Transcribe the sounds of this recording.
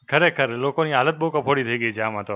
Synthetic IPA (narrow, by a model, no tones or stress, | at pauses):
kʰəɾekʰəɾlokoniɦaːlət̪̚bəɦũkəpʰoɽit̪ʰəiɡəit͡ʃʰeamãt̪o